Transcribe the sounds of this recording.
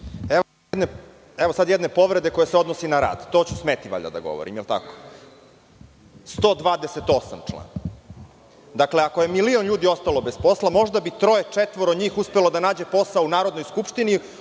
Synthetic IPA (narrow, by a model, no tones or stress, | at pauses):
e | d̪ne | ɛʋosad̪jɛd̪ne̞po̞ʋɾe̞d̪e̞ko̞jeseo̞d̪nosinaɾa̰ːd̪t̪oːt͡ɕusmet̪iʋa̰ʎa̰d̪a̰ɡo̞̰ʋo̰ɾḭmjelt̪a̰ko̥ | st̪o̞ːd̪ʋaːd̪eset̪o̞sa̰mt͡ʂlˠa̰n | d̪akle̞ako̞je̞milio̞nʎuːd̪io̞st̪alˠo̞bespo̞slˠamo̞ʒd̪abit̪ɾo̞jet͡ʂet̪ʋoɾod̪ɲiːxuspelo̞d̪anaːd͡ʑe̞po̞saounaːɾo̞d̪nojskupʃt̪ini